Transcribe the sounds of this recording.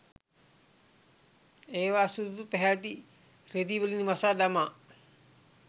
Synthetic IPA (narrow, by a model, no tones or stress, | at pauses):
eːʋaːsud̪ut̪upɛɦæːt̪̬i | red̪iʋəlinʋasaːd̪amaː